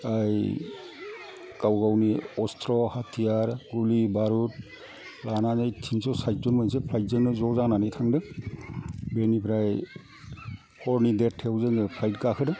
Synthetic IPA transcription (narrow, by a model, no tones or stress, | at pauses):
aj | kawɡawniɔstʰɾɔhatʰijaɾɡulibaɾut̚ | lananajtʰinsɔwsaj̚tɔnmɯnsepʰlajt̚zɯŋnɯzɔzananɯjtʰaŋdɯ | benipʰɾaj | hɔɾnidetʰewzɯŋɯpʰlajt̚kakʰɯdɯ